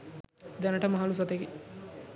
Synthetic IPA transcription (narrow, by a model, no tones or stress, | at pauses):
d̪ɛnəʈəmaɦalus̬at̪eki